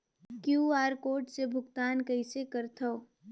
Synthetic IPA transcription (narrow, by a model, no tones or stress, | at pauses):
kjuːaːɾkoːʈsebʱʊɡt̪aːnkəɪsekɐɾt̪ʰoː